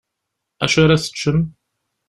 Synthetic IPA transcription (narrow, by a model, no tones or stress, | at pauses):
æ̰ʃaɾaθə̥t͡ʃːəm